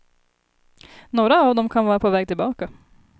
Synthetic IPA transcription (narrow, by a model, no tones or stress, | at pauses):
noːɾaːvd̪ɔmkʰanvɑːɾapʰovɛːɡ̚t̪ʰɪlbɑːka